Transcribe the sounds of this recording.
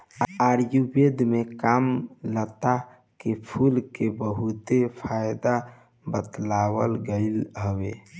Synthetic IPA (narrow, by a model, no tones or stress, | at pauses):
aɾjubed̪mekamlət̪a | kepʰulkebəɦut̪epʰajd̪a | bət̪lawəlɡəɪlɦəwe